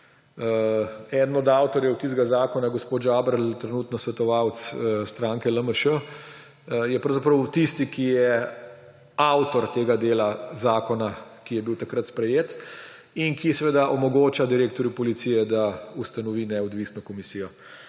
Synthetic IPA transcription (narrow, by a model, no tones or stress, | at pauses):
ɛd̪n̩ɔd̪awt̪ɔɾjɛwt̪izɡazaːkɔnaɡɔspoːt̪ʒabɾlt̪ɾɛnuːt̪nɔsʋɛt̪ɔʋawt̪sst̪ɾãːŋkɛləməʃə | jɛpɾɐwzapɾɐwt̪ist̪ikijɛ | awt̪ɔɾt̪eːɡad̪eːlazaːkɔnakijɛbiwt̪akɾat̪spɾɛjeːt̪ | inkisɛʋeːd̪aʔɔmɔɡoːt͡ʃad̪iɾeːkt̪ɔɾjupɔlit̪siːjɛd̪aust̪anɔʋiːnɛɔd̪ʋiːsnɔkɔmisiːjɔ